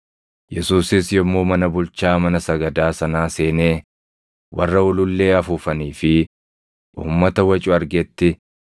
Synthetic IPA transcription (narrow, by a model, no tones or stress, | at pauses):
jɛsuːsɪsjɔmːoːmɐnɐbʊlt͡ʃaːmɐnɐsɐɡɐd̪aːsɐnaːse̞ːneː | wʔɐrːɐʊlʊlːe̞ːɐfuːfɐniːfɪ | ʔṵːmːɐt̪ɐwɐt͡ʃʼʊɐɾɡet̪ːɪ